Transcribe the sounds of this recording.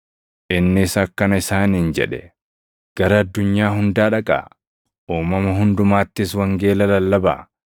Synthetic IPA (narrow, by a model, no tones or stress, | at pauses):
ʔɪnːɪːsɐkːɐnɐɪsaːniːnd͡ʒɛ̰ᶑɛ | ɡ̥ɐɾɐɐd̪ːʊɲːaːɦʊnd̪aːᶑɐkʼa̰ː | ʔuːmɐmɐɦʊnd̪ʊmaːt̪ːɪswɐŋɡe̞ːlɐlɐlːɐba̰ː